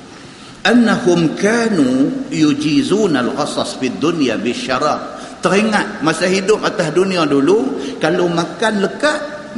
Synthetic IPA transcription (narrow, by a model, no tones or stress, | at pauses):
ʔanːahʊmkaːnujud͡ʒiːzuːnalɣɑsɑsfiad̪ːʊnjabɪʃːaɾˤɑːb̚t̪əɾiŋaʔ̪̚masaɦidʊp̚at̪asduniadulukalomakanləkaʔ